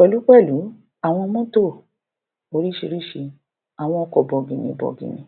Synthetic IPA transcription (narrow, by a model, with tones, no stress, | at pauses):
ɔ˨lu˨˦k͡pɛ˦˨lu˨˦ | a˨w̃ɔ̃˧mɔ̃˦to˦˨ | o˨˧ɾi˦ʃi˧ɾi˦ʃi˧ | a˨w̃ɔ̃˧ɔ˧kɔ˨bɔ˨ɡĩ˨nĩ˧˨bɔ̰˨ɡḭ̃˨nĩ˧˦